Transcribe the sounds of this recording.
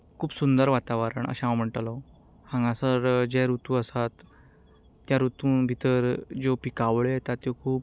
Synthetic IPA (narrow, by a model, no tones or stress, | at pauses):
kʰuːpsund̪əɾʋat̪aʋəɾəɳə̰ɕããwm̤əɳʈalɔ | hãŋɡãsəɾd͡ʑɛɾut̪ũəsat̪ː | jaɾut̪ũbʱit̪əɾd͡zopikaʋɭt̪at̪jokʰuːp̚